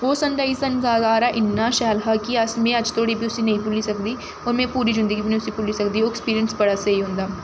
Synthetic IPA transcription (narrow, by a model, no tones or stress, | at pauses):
oːsɐ̃ɳʈaisɐnzaːzaːɾaːʔɪnːaːʃɛːlɦakiɐsmẽːɐd͡ʒt̪ʰoːɽibʱiʊsinɐɦĩpʊlisɐkd̪iː | ɔːɾmɛ̃ːpuːɾizɪ̃nd̪əɡibʱinĩʊsipʊlisɐkd̪iːoːɪkspiːɾijənsbɐɽaːsɐiɦʊ̃ːnd̪aː